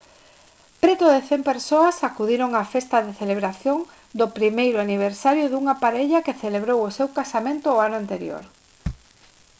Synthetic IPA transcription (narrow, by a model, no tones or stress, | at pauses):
pɾet̪ʊðeθempeɾsoɐsakuðiɾoŋafest̪ɐðeθeleβɾaθjoŋ | d̪opɾimejɾʊaniβ̞eɾsaɾjʊðuŋapaɾeʎakeθeleβɾowosewkasamẽnt̪ʊːanʊant̪eɾjo̰ɾ